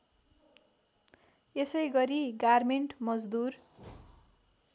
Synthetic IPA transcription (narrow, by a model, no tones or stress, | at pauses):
esʌjɡʌɾiɡarmeɳʈmʌd͡zd̪ur